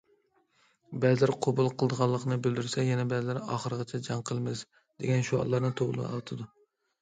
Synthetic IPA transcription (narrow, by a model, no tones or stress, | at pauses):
bɛzɪlɪɾqʰobulˠqʰəlˠd̪əʁɑlˠːəqnɨbyld̪yɾsɛjɛnɛbɛzɪlæɾɑ̰χəɾɨʁɑt͡ʃʰɛd͡ʒɑŋqʰəlˠmɪs | d̪̥eɡʲɛnʃuɑ̰lˠːɑɾnɨt̪ʰoʁlˠɨ̰ɑ̰lˠt̪ʰɨd̪u